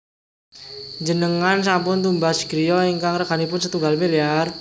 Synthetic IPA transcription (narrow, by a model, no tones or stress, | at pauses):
d͡ʒənəŋans̬ampʊnt̪umbaskɾijɔiŋkaŋrəkanipʊnsət̪uŋɡalmiliar